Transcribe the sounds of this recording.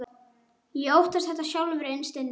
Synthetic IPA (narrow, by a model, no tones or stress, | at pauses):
jɛowht̪ast̪θɛht̪ːasjawlvɪɾɪnst̪ɪnː